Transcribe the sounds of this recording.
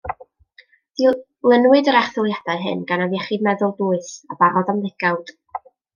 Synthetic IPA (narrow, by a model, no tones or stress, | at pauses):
diː | lˠənwɨdəɾɛχθʊlˠjad̥aɨɦɨ̰nɡanavjɛχiːdmɛðʊlˠduːɨsabaɾɔðamðɪɡ̥awd̥